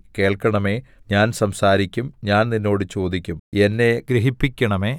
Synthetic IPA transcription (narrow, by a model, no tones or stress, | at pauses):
ke̞ːɭkːɐɳɐme̞ːɲaːnsɐmsaːɾikʲːumɲaːnninːo̞ːɽɨt͡ɕo̞ːd̪ikʲːumenːe̞ɡɾiɦipːikʲːɐɳɐme̞ː